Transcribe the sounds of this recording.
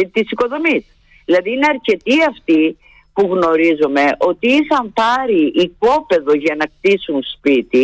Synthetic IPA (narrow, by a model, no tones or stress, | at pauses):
t̪isiko̞ðo̞mis | ðilɐðiːne̞ɐɾce̞t̪iɐft̪i | puɣno̞ɾizome̞ʔo̞t̪iisɐmpɐɾiʔːpo̞pe̞ðo̞ʝɐnɐkt̪isunspit̪i